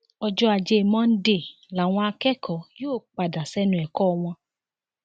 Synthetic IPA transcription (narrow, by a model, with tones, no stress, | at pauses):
ɔ˧d͡ʒɔ˧a˨d͡ʒe˧˨mɔ̃˦n̩˦de˦˨ | la˨w̃ɔ̃˧a˧kɛ˦kʰɔ˨˦joː˦˨k͡pa˨da˨sɛ˦nũ˧ɛ˨kɔ˦˧w̃ɔ̃˧